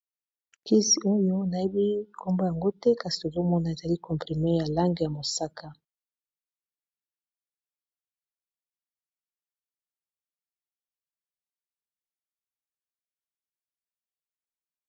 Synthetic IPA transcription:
ki˦si˨o˦jo˦na˨e˦bi˦ko˦mbo˦ja˨ŋɡo˦tɛ˦ka˨si˨to˨zo˦mɔ˦na˨e˨za˨li˦kɔ̃˨mpʁi˨me˦ja˨la˦ŋɡe˨ja˨mo˨sa˦kʰa˦

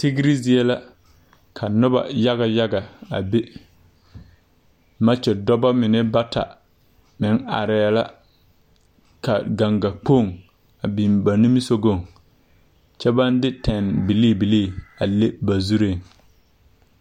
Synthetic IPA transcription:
ti˦ɡɾi˦zi˦ɛ˦la˦ | kʰa˨nʊ˦ba̰˨ja˦ɡa˨ja˦ɡa˨a̰˨be˦ | ma˦t͡ʃɛ˨dɔ˦ba˦mɪ˨nɪ˦ba˦ta̰˨ | mɪ˨˦ŋa̰˨ɾɛ˨˦˨la˦ | ka̰˨ɡa˨ŋɡa˨k͡po˦˨ŋ | a˨bi˨mba˨ni˦mi˦so˦ɡo˦˨ŋ | t͡ʃɛ˦ba˦ndɪ˦tʰɛ˨nbi˨liː˦˨bi˨liː˦˨a˨le˦ba˨zu˦ɾe˦˨ŋ

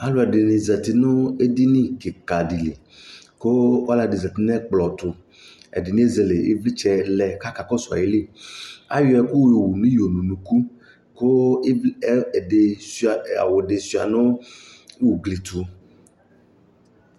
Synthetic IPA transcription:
a˦lo˦ɛ˨de˨nĩ˨zɛ˨t̪i˨nʊ̃˦e˦di˦nĩ˦ɡe˨ka˨di˨li˨ | ko˦a˦la˨di˨zɛ˨t̪i˨˦nɛ̃˦k͡plɔ˨t̪ʊ˨ | ɛ̰˨di˨nĩ˦e˦ze˨le˨ḛ˦vli˦t͡ʃɛ˦lɛ˨ka˦ka˨kɔ˦sɔ˨a̰˨je˨le˦˨a̰˦jo˦ɛ˨ku˦we˨wu˨nũ˦jo˨nũ˨nũ˨ku˦ | ko˦˨ | de˨sa˨a̰˨wo˨de˨su˨a̰˨nʊ̃˦ | wu˨ɡli˨t̪ʊ˨

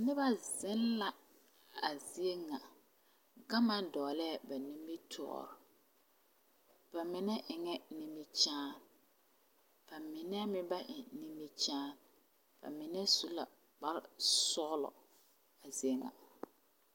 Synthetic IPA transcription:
a˨nɪ˦ba˦zɪ˦nla˨ | a˨zi˦e˦ŋa˨ | ɡa˦ma˦dɔː˨lɛ˦a˨ba˨nĩ˦mbi˦tʰɔ̰ː˦˨ɾɔ˨ | b̥a˨mɪ˨nɛ˦ʔɪ˨ŋɛ˦nĩ˦mi˦t͡ʃaː˦n | b̥a˨mɪ˨nɛ˦mɪ˦ba˦ʔɪ˨nĩ˦mbi˦t͡ʃaː˦n | b̥a̰˨mɪ˨nɛ˦su˦la̰˨ | k͡pa˦lsɔ˦ɣlɔ̰˨ | a˨zi˦e˦ŋa̰˨

